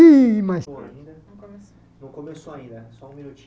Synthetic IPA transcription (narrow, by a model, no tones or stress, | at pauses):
ĩmɐsaĩd̪ɐnɐ̃komes | nɐ̃w̃komesoaĩnd̪ɐsɔũmĩnut͡ʃi